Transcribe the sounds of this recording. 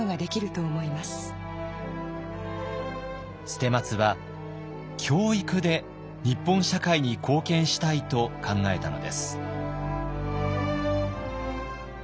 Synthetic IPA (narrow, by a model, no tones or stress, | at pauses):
oɡad̪e̞kʲiɾɯ̟t̪o̞ːmo̞imasɨ̥ | ɕɨ̥t̪e̞mat͡sɨβa | kʲʰo̞ːikɯ̟d̪e̞ | ɲ̟ipːõ̞ɰ̃ɕakaiɲ̟ikʰo̞ːkẽ̞ɰ̃ɕi̥t̪ait̪o̞kʰãŋɡae̞t̪ano̞̰d̪e̞sɨ̥